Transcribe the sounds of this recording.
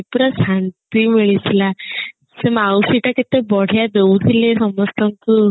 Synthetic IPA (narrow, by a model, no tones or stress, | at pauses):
puɾasant̪imiɭisla | semawsiʈaket̪ebɔɽ̤ʱjad̪eut̪ʰilesɔmɔst̪amt̪u